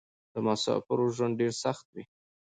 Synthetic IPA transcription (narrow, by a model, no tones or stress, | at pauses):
d̪̥əmasɑ̰pɪɾoʒwand̪̚ɖeɾsaxt̪̚wi